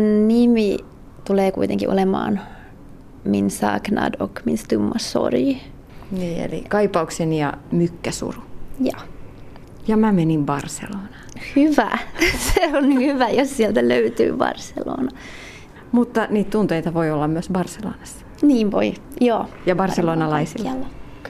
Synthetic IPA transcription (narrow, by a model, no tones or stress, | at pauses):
nimi | t̪uleːkuit̪eŋkḭʔo̰lemɑ̰ːn | minsɑ̰ːknɑ̰dokminst̪ymːɑso̰riː | niːḛlḭkɑipɑuksenijɑ̰mykːæsṵrujɑ | jɑmæmenimbɑrsḛloːnɑːhyʋæ̰seonnihyʋæjossielt̪æløyt̪y̰ːbɑ̰rsḛlo̰ːnɑ | mut̪ːɑniːt̪t̪unt̪eit̪ɑʋoiolːɑmmyøsbɑrselo̰ːnɑsːɑ̥ | niːʋʋo̰ijoːjɑbɑrseloːnɑlɑisilːɑlːɑ